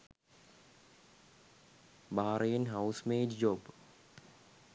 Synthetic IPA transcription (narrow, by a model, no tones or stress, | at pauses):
bʱaːɾɐjɐnɦɐwsmeːd͡ʒd͡ʒoːb